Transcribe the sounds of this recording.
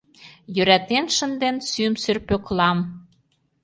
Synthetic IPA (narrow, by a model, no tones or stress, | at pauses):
jøɾæt̪enʃə̆nd̪ensymsørpøklɑm